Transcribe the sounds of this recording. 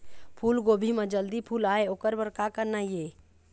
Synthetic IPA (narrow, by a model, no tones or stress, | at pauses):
pʰuːlɡoːbʱimə̃d͡ʒəld̪ipʰuːlaːeoːkəɾbəɾkakəɾnaieː